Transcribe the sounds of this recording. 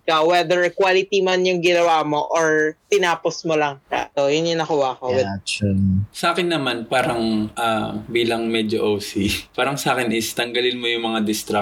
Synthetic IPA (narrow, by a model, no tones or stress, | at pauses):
kɐwɛd̪ɛɹkwaːlɪt̪imanjʊŋɡɪnɐwaːmoʔoɹt̪ɪnaːposmolɐŋka̰ojɐnjʊnːɐkʊwaɐkoɛt͡ʃsɐʔaːkɪnːɐmanpaːɾɐŋʔabiːlɐŋmɛd͡ʒoʔowsipaːɾɐŋsʔaːkɪnʔɪst̪ɐŋɡɐlɪnmojʊŋmɐŋad̪ɪst̪ɾa